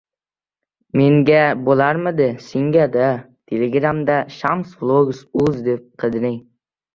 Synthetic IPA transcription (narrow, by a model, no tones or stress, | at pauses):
meŋɡʲabolaɾmɪd̪ɪseŋɡʲad̪a | t̪ʲʰelʲeɡɾamd̪aʃamsvlˠoɡsʊzd̪ep̚qʰɨd̪ɪnɪŋ